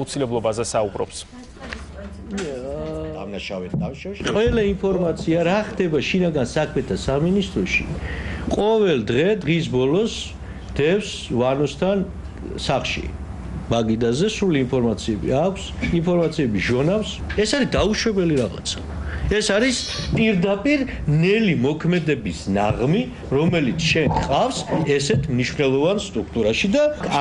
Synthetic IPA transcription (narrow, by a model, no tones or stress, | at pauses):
ut̪sʰilɛblˠɔbazɛsaubɾɔ̰ps | a̰naʃaɛʃqʼvɛlainpʰɔɾmat̪sʰiaɾaχd̪ɛbaʃinaɡansakʰmɛt̪ʰasaminist̪ʼɾɔʃḭqʼɔvɛld̪ʁɛd̪ʁis̬bɔlɔs | d̪̥ɛfs | vanɔst̪ʰan | saχʃḭ | baɡid̪azɛsuliːnpʰɔɾmat̪sʰiɛbḭakʷʰsinpʰɔɾmat̪sʰiɛbiʒɔnafs | ɛsaɾisd̪auʃwɛbɛliɾaʁa̰t̪sʰḁ | ɛsaɾispʼiɾd̪apʼiɾ | nɛlimɔkʰmɛd̪ɛbisna̰ʁmi | ɾɔmɛlit̪sʰʃɛŋqʼafsɛsɛt̪ʰmniʃvnɛlˠɔvanst̪ʼɾuk̚ʰt̪ʼuɾaʃid̪a